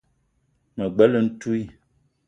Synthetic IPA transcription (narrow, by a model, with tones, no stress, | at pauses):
mə˨ɡ͡bɛ˦lə˨n̩˦tu˦i˦˨